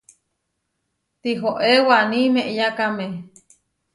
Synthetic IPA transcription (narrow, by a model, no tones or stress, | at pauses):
t̪iɦoʔewanimeʔjakame